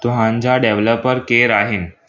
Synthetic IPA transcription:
t̪uɦãɲt͡ɕaɖeʋləpəɾkeɾaɦin

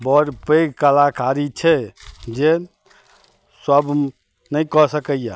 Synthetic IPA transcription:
bɔɾpeɡkəlakaɾit͡ʃʰɛd͡ʒe | səb | nəjkɔsəkəjja

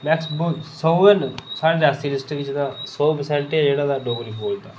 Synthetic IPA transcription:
mɛːksbosoːənsaːɽeːd̪aːst̪iːlɪsʈkɪt͡ʃd̪aːsɔːpəsɛ̃ɳʈɛd͡ʒeːɽaːd̪aːɖoːɡəliːpoːlt̪aː

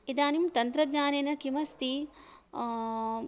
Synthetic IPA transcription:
id̪aːnimt̪ɐnt̪ɾɐɡɲaːneːnɐkimɐst̪i

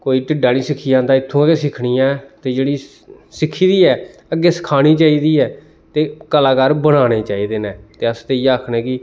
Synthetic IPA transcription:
koːiːʈɪɖːaːniːsɪkʰːiːjãːd̪aːɪt̪ʰːõːəɡeːsɪkʰɽiːãːt̪eːd͡ʒeːɽiː | sɪkʰːiːd̪iːɛː | əɡːeːsə̥kʰaːɽ̃iːt͡ʃaːiːd̪iːɛː | t̪eːkəlaːkaːɾbəɽ̃aːneːt͡ʃaːiːd̪eːnɛːt̪eːəst̪eːiːaːkʰnɛ̃ːkɪ

